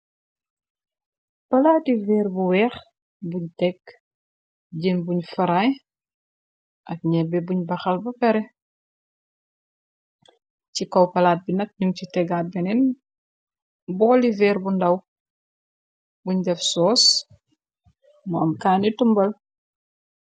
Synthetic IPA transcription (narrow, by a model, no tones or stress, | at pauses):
pɐlaːtivɛːɾbuwɛːx | buɲtɛk | ɟinbuɲfɐɾaj | ʔɐk̚ɲɛbɛbuɲbɐxɐlbɐpɛɾɛ | cikɔwpɐlaːt̚binɐk̚niŋcitɛɡabɛnɛn | bɔːlivɛːɾbundɐw | buɲdɛfsɔːs | muɐmkaːnitumbɐl